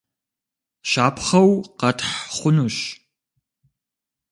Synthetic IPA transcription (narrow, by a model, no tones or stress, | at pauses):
ʃaːpʰχɐwqɐtʰħχʷʊnuɕ